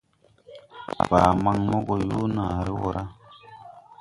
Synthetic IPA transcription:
baː˨ma˦˨ŋmo˦ɡo˨ju˦na˨ɾi˦wo˦ɾʔa˦

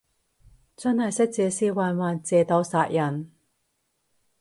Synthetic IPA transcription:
t͡sɐ˥nhɐ˨jsɪ˥k̚t͡sɛː˨˧siː˧waː˨˧nwaː˨nt͡sɛː˨t̪ɐ˨˥wsaː˧t̚jɐ˨˩n

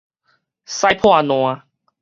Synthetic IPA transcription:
sa˧jpʰw̃ã˥˧˨nw̃ã˧

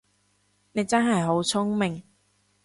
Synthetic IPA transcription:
ne˨˧jt͡sɐ˥nɦɐ˨jɦo˨˥wt͡sʰʊ˥ŋmɪ˨˩ŋ

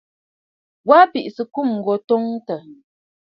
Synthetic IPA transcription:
wa˦pi˨ʔsə˨ku˦˨m̩˨ɡɔ˨to˦ŋtə˨

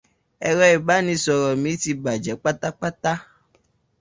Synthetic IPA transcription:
ɛ˧ɾɔ˧i˨ba˨˦nĩ˨˧˦sɔ˧ɾɔ˨mĩ˨˦ti˧ba˨d͡ʒɛ˨˦k͡pa˦ta˦k͡pa˦ta˦

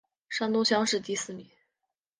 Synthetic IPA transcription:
ʂa˥nt̪o˥ɕjɑ˥ŋʂɻ̩˥˧t̪i˥˧sɹ̩˥˩mi˨˩˦

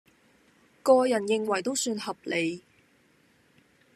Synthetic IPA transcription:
kɔː˧jɐ˨˩njɪ˧ŋwɐ˨˩jt̪o˥wsyː˧nhɐ˨p̚le˨˧j

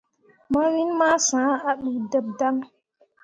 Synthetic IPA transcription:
ma˦ɾi˦nma˦sã˨˦a˦ɗi˨də˦b̚da˦ŋ

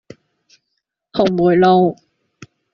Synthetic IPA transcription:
ho˨˩wmuː˨˩˦jlo˥˧w

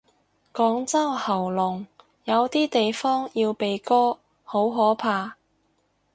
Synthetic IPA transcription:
kɔː˨˥ŋt͡sɐ˥whɐ˨˩wlʊ˨˩ŋ | jɐ˨˧wt̪iː˥t̪e˨jfɔː˥ŋjiː˧wpe˨jkɔː˥ | ho˨˥wɦɔː˨˥pʰaː˧

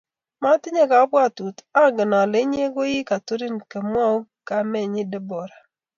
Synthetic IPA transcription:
ma˦tɪ˦ɲe˦ka˨˦bwa˦˨tu˨ta˦˨ɡɪ˨na˨le˨˦ɲ˦e˦ɡo˦jɪ˦ka˨to˦ɾi˦nke˨m˦a˦u˦ka˨mɛ˦ɲɪ˦dɛ˦bɔ˨ɾa˨

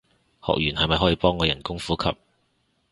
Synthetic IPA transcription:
hɔ̰˨k̚jyː˨˩nhɐ˨jmɐ˨jɦɔː˨˥jiː˨˧pɔː˥ŋːɔː˨˧jɐ˨˩nkʊ˥ŋfuː˨˥kʰɐ̰˨p̚

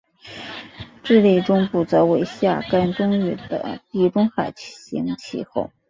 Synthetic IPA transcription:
ʈ͡ʂɻ̩˥˧li˥˩ɪʈ͡ʂʊ˥ŋpu˨˩t͡sɤ˧˥we˧˥ɪɕja˥˩ka˥nʈ͡ʂʊ˥ŋy˥˩d̪ə̰˩˦t̪i˥˩ʈ͡ʂʊ˥ŋxa˨˩ɪt͡ɕʰɕḭ˧˥ŋt͡ɕʰḭ˧˩xo˥˩ʊ

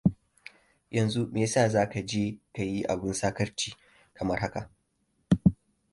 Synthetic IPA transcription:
jɐ˨nzu˦meː˨saː˦˨zaː˦ka˨d͡ʒeː˦ka˨ji˦ʔa̰˨bɪ˦nsaː˦kɐ˦rt͡ʃiː˦˨ | kɐ˨mɐ˦rha˦ka̰˨ʔ

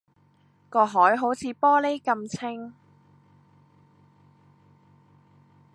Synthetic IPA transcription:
kɔː˧ɦɔː˨˥jɦo˨˥wt͡sʰiː˨˧pɔː˥le˥jkɐ˧mt͡sʰɪ˥ŋ

